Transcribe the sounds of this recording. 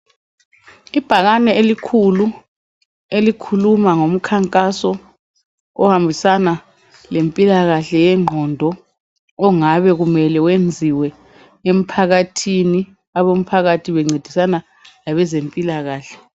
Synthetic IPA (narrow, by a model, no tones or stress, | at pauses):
ib̥ʱaɣanɛelikʰulu | elikʰulumaŋom̩kʰaŋkʼasɔ | ɔhambʱisana | lempʼilaɣaɬɛjɛŋ͡ǃʱɔndʱɔː | ŋaβɛɣumɛlɛwend͡zʱiwɛ | em̩pʰaɣatʰini | aβom̩pʰaɣatʰiβɛŋ͡ǀʱed̥ʱisana | laβɛzempʼilaɣaːɬɛ̥